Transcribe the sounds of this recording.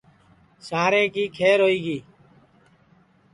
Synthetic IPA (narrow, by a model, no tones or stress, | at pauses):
saːɾẽːkiːkʰeːɾɦoːiːɡiː